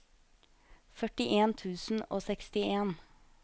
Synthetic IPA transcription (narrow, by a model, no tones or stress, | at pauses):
fœʈɪʔeːnt̪ʰʉːsn̩o̰ːsɛkst̪ɪeːn